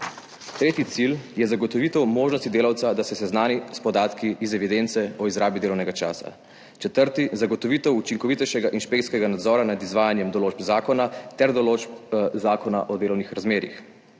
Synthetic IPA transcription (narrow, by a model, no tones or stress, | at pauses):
t̪ɾeːt̪jit̪siljɛzaɡɔt̪ɔʋiːt̪ɛwmoːʒnɔst̪id̪eːlawt̪sad̪asɛsɛznaːnispɔd̪aːt̪kiːzɛʋid̪ent̪sɛɔizɾaːbid̪eːlɔwnɛɡat͡ʃa̰ːsa̰ | t͡ʃɛt̪əɾt̪izaɡɔt̪ɔʋiːt̪ɛwut͡ʃiŋkɔʋit̪ɛjʃɛɡaʔinʃpekt̪sʲkɛɡanad̪zɔːɾanad̪izʋaːjanjɛmd̪ɔloːd͡ʒbzaːkɔnat̪ɛɾd̪ɔlod͡ʒpzaːkɔnaʔɔd̪eːlɔwnixɾazmeːɾḭx